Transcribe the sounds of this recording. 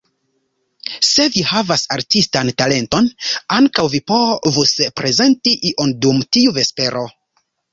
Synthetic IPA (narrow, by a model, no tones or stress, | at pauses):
se̞vihavasaɾtistantale̞nto̞naŋkawvipo̞vuspɾe̞ze̞ntiʔiʔondumtiuve̞spe̞ɾʔo̞